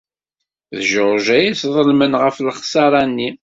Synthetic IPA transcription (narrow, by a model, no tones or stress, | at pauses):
ðʒəɾʒæjiθðˤəlmənʁəflχsɑɾˤɑnːi